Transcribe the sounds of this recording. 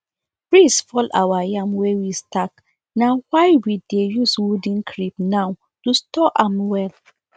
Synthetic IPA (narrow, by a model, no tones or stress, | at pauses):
pɹisfɔlʔa̰wajãmwewistak | nawaɪwidejuswudĩnkʰɹipnaw | tustɔʔãmwɛl